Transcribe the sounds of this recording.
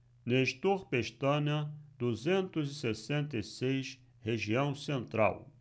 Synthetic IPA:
neʃt̪oχpeʃt̪ɐ̃nɐd̪̥uzẽnt̪ʊzɪsesẽnt̪ɐjsejʃ | heʒiɐ̃w̃sẽnt̪ɾa̰w

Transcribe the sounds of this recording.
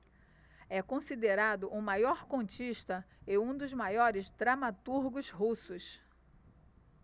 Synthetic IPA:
ɛkõsid̪eɾad̪ʊʔʊmajɔɾkõnt͡ʃiʃt̪ɐ | ɪũd̪ʊzmajɔɾɪsd̪ɾamat̪uɾɡʊzɦusʊs

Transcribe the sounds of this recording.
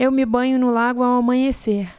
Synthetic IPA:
ewmɪbɐ̃ɲʊnʊlaɡʊawamɐ̃ɲeseɾ

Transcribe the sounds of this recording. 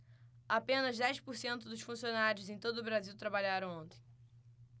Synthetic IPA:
apẽnɐzd̪ɛjʃpʊɾsẽnt̪ʊd̪ʊʃfũsionaɾiʊzẽj̃t̪od̪ʊːbɾaziwt̪ɾabaʎaɾɐ̃w̃õnt̪ẽ̥j̃

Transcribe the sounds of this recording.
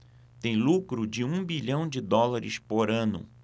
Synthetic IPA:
t̪ẽj̃lukɾʊd͡ʒɪũbiʎɐ̃w̃d͡ʒɪd̪ɔlaɾɪ̰spoɾɐ̃nʊ̰

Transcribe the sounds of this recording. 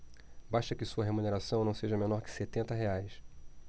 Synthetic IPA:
baʃt̪ɐkɪsuɐɦemuneɾasɐ̃w̃nɐ̃w̃seʒɐmẽnɔɾkɪ̥set̪ẽnt̪ɐɦeajs

